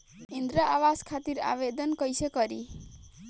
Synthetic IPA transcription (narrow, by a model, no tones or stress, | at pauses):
ind̪ɾaʔawaskʰat̪ira̰βed̪ʌnkʌjsʌkʌɾi